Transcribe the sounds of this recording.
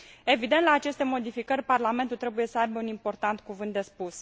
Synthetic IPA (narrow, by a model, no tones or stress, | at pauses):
e̞vid̪e̞nt̪laːt͡ʃe̞st̪e̞mo̞d̪ifikərʲparlame̞nt̪ult̪ɾe̞buje̞səajbeunimpo̞rt̪ant̪kuvɨnt̪̚d̪e̞spus